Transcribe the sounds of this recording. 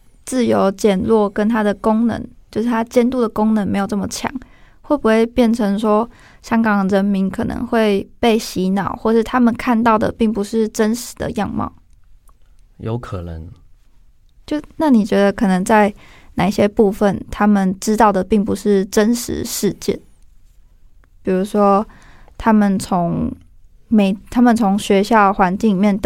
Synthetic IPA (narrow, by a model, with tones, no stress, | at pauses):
t͡sɹ̩˥˩jo˧˥ʊt͡ɕjɛ˨˩nlwɔ˥˨˩kə˦˥nt̪ʰa˥d̪ə˨ko˥ŋnə̰˧˥ŋt͡ɕjo˥˧ʊʂɻ̩˥˩t̪ʰa˥t͡ɕjɛ˥nt̪u˥˩d̪ə˩ko˥ŋnə˧˦nme˧˥ɪjo˨˩ʊnə˥˩mə˨˩t͡ɕʰjɑ̰˨˩˦ŋxwe˥˩ɪpu˧˦xwe˥˧ɪpjɛ˥˩nʈ͡ʂʰɤ˧˥ŋʂwɔ˥ | ɕjɑ˥ŋkɑ˨˩ŋd̪ɻə˧˦nmi˧˥nkʰɤ˨˩nə̰˧˥ŋxwe˥˧ɪpe˥˩ɪɕi˧˥nɑ˨˩˦ʊxwɔ˥˩ʂɻ̩˥˩t̪ʰa˦mə˨nkʰa˥˧nt̪ɑ˥˩ʊd̪ə̰˩pi˥˩ŋpu˧˦ʂɻ̩˥˩ʈ͡ʂə˦˥nʂɻ̩˨˩˦d̪ə̰˨˦jɑ˥˧ŋmɑ̰˥˩ʊ | jo̰˧˥ʊkʰɤ˨˩nə̰˧˦ŋ | t͡ɕjo˥˧ʊna˥˩ni˨˩t͡ɕɥɛ˧˥d̪ə˧kʰɤ˨˩nə˧˥ŋt͡sa˥˩ɪna˨˩ɕjɛ˦pu˥˧fə˨˩nt̪ʰa˥mə˨nʈ͡ʂɻ̩˥t̪ɑ˥˩ʊd̪ə˩pi˥˩ŋpu˧˦ʂɻ̩˥˩ʈ͡ʂə˦˥nʂɻ̩̰˧˥ʂɻ̩˥˧t͡ɕjɛ̰˥˩n | pi˨˩ɻu˧˥ʂwɔ˥t̪ʰa˥mə˨nt͡sʰo˧˦ŋ | me˧˥ɪt̪ʰa˥mə˨nt͡sʰo˧˥ŋɕɥɛ˧˥ɕjɑ˥˩xwa˧˦˥nt͡ɕi˥˩ŋli˨˩mjɛ˥˧˩nt̪